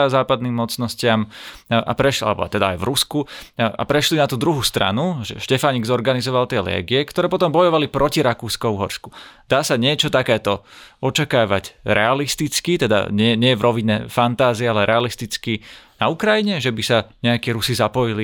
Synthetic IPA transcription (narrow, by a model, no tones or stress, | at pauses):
zaːpad̪nimːɔt͡snɔscɪama̰pɾɛʃa̰lɛbɔ̰t̪ɛd̪aa̰jvɾuskua̰pɾɛʃlinat̪uːd̪ɾuɦust̪ɾa̰nuʒɛ̰ʃcɛfaɲiɡzɔɾɡanizɔʋalˠt̪ɪɛlɛ̰ːɡiɛkt̪ɔɾɛːpɔt̪ɔmbɔjɔʋalipɾɔciɾakuːskɔʊɦɔɾsku̥d̪̥aːsaɲɪɛt͡ʃɔt̪akɛːt̪ɔɔt͡ʃakaːʋa̰ɟɾɛalist̪it͡skit̪ɛd̪a̰ɲɪɛɲɛjɛvɾɔʋiɲɛ̰fant̪aːzialɛɾɛalist̪it͡skinaukɾajiɲɛʒɛbisaɲɛakiːɾusizapɔjili